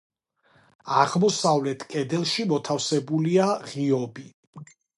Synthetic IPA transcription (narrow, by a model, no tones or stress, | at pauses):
aʁmɔsavlɛt̪ʰkʼɛd̪ɛlˠʃimɔt̪ʰafsɛbuliaʁiɔbi